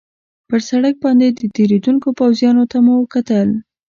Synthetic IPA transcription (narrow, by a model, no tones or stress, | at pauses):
pəɾsaɽək̚bɑnd̪ed̪ət̪eɾed̪uŋkopawzjɑnot̪amuwəkat̪əl